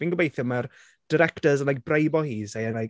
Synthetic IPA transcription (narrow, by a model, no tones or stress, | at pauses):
v̥iːnɡəbejθjəmar | d̥əɾɛktəzənlak̚brejbɔhiːzejənaj